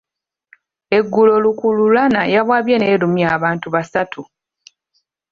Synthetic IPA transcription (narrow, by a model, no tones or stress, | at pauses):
e̞ɡːulo̞lukululanajaβwaːβjene̞ːɾumiaːβaːntuβasatʰu